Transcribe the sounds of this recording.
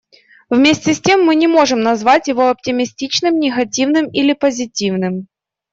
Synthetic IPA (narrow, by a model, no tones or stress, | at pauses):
vmʲesʲtʲɪsʲtʲe̞mːɨnʲɪmo̞ʐɨmnɐzvatʲjɪvo̞ɐp̚tʲɪmʲɪsʲtʲit͡ɕnɨmnʲɪɣɐtʲivnɨmilʲɪpəzʲɪtʲivnɨm